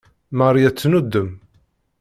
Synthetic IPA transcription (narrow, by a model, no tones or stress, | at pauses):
marˤjæt͡sːnud̪ːəm